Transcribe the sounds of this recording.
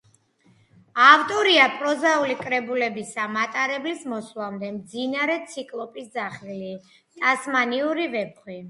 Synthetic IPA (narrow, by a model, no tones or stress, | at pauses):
avt̪ʼɔɾiapʼɾɔzaulikʼɾɛbulɛbisamat̪ʼaɾɛblismɔslamd̪ɛmd̪zinaɾɛt̪sʰikʼlˠɔpʼisd̪zaχili | t̪ʼasmaniuɾivɛp̚χwi